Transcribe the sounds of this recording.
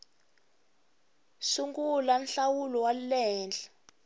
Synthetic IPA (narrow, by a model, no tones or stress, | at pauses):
suŋɡulanɬawulɔwallɛːnd͡ɮʱḁ